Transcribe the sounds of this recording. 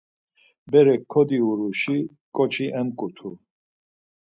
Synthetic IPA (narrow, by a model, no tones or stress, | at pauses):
bɛɾɛkʰːɔd̪iuɾuʃi | kʼɔt͡ʃʰiʔɛmkʼut̪ʰu